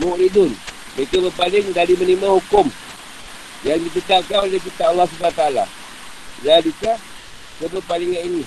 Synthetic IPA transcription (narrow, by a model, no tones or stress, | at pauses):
moʔɾidʊn | məkabəpalɪŋdaɾimənimãhukʊm | jaŋdikət̪akanolehk̬it̪aʔːlːahs̬ubanat̪aːla̰ | ladika | kəbəpaliŋanini